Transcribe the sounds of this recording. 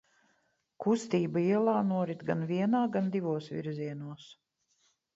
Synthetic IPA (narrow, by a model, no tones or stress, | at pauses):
kust̪iːbaiɛlˠaːnuɔɾit̪ɡanviɛnaːɡand̪ivuɔsvʲḭɾziɛnuɔs